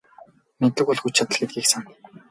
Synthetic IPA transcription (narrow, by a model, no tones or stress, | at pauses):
met̪ɘ̆kʊɮxut͡ɕʰat̪ə̆ɮɡet̪̚ɡiːksan